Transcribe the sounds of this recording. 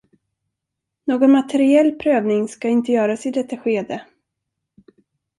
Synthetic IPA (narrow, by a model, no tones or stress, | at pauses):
noːɡɔnmat̪ʰɛɾɪɛlːpʰɾøːvnɪŋskaɪnt̪əjœːɾasɪd̪ɛt̪ːaɧeːd̪ə